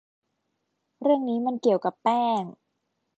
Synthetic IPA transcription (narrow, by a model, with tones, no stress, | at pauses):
ɾɯ˥˩əŋniː˦˥ma˧nki˨˩əwka˨˩pːɛː˥˩ŋ